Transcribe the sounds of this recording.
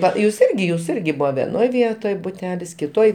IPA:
ˈʋɐ juːs ˈɪrʲɡʲɪ juːs ˈɪrʲɡʲɪ ˈbuːʋɐ ʋʲɛˈnoːj ˈʋʲiɛtoːj bʊˈtʲæːlʲɪs kʲɪˈtoːj

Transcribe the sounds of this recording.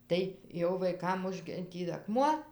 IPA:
ˈtɐɪ jɛʊ ʋɐɪˈkɐm ˈʊʒʲɡʲɪ ˈtʲiː ɐˈkmuɔ

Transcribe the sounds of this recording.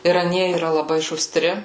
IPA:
ɪr ɐˈnʲiɛ iːˈrɐ lˠɐˈbɐɪ ʃʊˈsʲtʲrʲɪ

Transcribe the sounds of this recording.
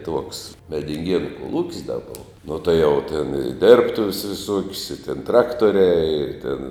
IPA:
tuɔks mʲɛdʲɪŋʲˈɡʲiɛnʊ koːˈlˠuːkʲsʲ dɐ ˈboːʋɐ nuɔ tuɔ jɛʊ tʲɛn ɪ ˈdʲɪrptʊʋʲɛs ʋʲɪˈsuɔkʲsʲ ɪ tʲɛn ˈtrɑːktoːrʲɛɪ ɪr tʲɪn

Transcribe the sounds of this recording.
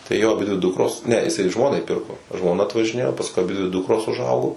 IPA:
tɐɪ ˈjoː ɐˈbʲɪdʲʋʲɪ ˈdʊkroːs nʲɛ ɪˈsɐɪ ˈʒmoːnɐɪ ˈpʲɪrkoː ʒmoːˈnɐ ɐtʋɐʒʲɪˈnʲeːjoː pɐsˈkʊɪ ɐˈbʲɪdʲʋʲɪ ˈdʊkroːs ʊˈʒɐʊɡoː

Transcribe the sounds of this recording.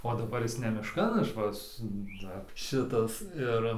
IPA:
oː dɐˈbɐr ˈjɪs nʲɛ mʲɪʃˈkɐn ˈɐʃ ʋɐ ˈsʊ ˈdɐr ˈʃʲɪtɐs ˈɪr

